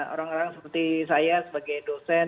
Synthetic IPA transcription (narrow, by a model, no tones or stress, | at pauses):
o̰ɾaŋoɾaŋsəpərt̪isajasəbaɡajdosɛ